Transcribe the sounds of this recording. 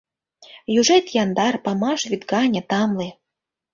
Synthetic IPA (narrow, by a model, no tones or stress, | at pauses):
juʐɛt̪jɑnd̪ɑrpɑmɑʃvʲit̪ɡɑnʲɤ̆t̪ɑmli